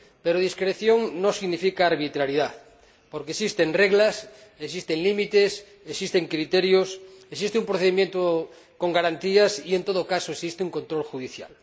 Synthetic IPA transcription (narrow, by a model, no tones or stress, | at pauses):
peɾoð̞iskɾeθjoŋnosiɣnifikaːɾβit̪ɾaɾiðaθ | poɾkesist̪enreɣlases̬ist̪eŋlimit̪es | esist̪eŋkɾit̪eɾjosesist̪eumpɾoθeimjent̪o | ko̞ŋɡaɾant̪iasie̞nt̪oðokasoesist̪euŋkont̪ɾolxuðiθja̰l